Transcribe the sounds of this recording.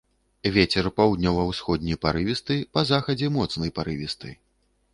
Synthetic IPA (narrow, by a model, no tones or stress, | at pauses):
vʲet͡sʲɛrpawd̪ʲnʲɔvɐwsxɔd̪̚ʲnʲijpaɾɨvʲist̪ɨpɐzaxɐd͡zʲɛmɔt̪snɨjpaɾɨvʲist̪ɨ̰